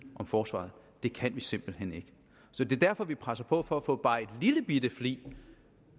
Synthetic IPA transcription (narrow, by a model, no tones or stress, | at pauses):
ʔɒ̽mfɒːsʋɑ̰̈ð̩ˠd̥e̝kʰænʋise̝m̰b̥l̩hene̝ɡ̥ə | sɒ̽d̥e̝ɐd̥æɐfɒ̽ʋipʰʁasɐpʰɒ̽fɒ̽æfɔ̰̽ːb̥ɑ̈ːe̝d̥liləb̥id̥əflḭː